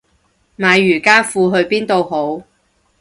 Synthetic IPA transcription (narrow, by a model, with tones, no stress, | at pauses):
maː˨˧jːyː˨˩kaː˥fuː˧ɦɵ˧ɥpiː˥nt̪o˧who˨˥w